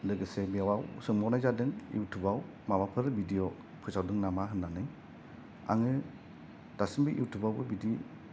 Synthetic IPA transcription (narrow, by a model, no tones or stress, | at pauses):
lɯɡɯsɛbiawawsɯŋmɔwnajzadɯŋḭwtʰubaw | mawapʰɯɾbidijɔ | pʰɯsawdɯŋnamaɦɯnːanɯ | a̰ŋɯ | d̥asɯmbɯʔiwtʰubawbɯbidi